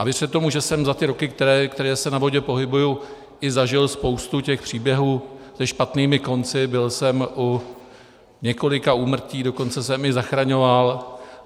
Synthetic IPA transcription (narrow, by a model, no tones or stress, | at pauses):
ʔavɪr̥ɛt̪o̞muʒɛsɛmzat̪ɪɾo̞kɪkt̪ɛɾɛːkt̪ɛɾɛːsɛnavo̞ɟɛpo̞ɦɪbuju | ʔɪzaʒɪlspo̞wst̪ucɛxpr̥iːbjɛɦuːsɛʃpat̪niːmɪko̞nt͡sɪbɪlsɛmʔu | ɲɛko̞lɪkauːmr̩ciːdo̞ko̞nt͡sɛsɛmɪzaxɾaɲo̞val